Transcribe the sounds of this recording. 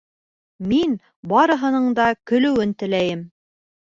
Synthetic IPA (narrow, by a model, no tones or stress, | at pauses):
min | bɑɾɤ̆ɦɤ̆nɤɴd̪ɑkɵ̆lɵ̆wɘnt̪ɘ̆læjɘm